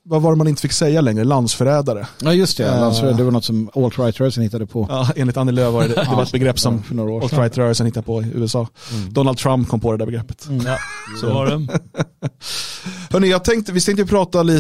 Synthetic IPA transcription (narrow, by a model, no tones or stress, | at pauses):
vavaɾɛmanɪnt̪əfɪkːsɛjːalɛŋɾəland̪sfœɾɛːd̪aɾəɑjɵst̪ɛlansfœɾɛd̪ɛvaɾnɔt̪sɔmolt̪ɾajt̪ɾœːɾəsənhɪt̪ːad̪əpʰɔɑːeːnlɪt̪anɪløːvaɾɛd̪ɛvaɾɛt̪bɛɡɾɛpːsɔmfœnoːɾaːɔlt̪ɾajt̪ɾœːɾəlsənhɪt̪ːad̪əpʰɔɪʔʉ̟ːɛsɑːd̪ɔnald̪t̪ʰɾampkʰɔmpʰɔd̪ɛd̪æɾbɛɡɾɛpːə̥t̪ | soaɛ | hœɳɪjɑːɡ̚t̪ʰɛŋkt̪əvɪt̪ɛŋkt̪əjɔpʰɾɑːt̪aliː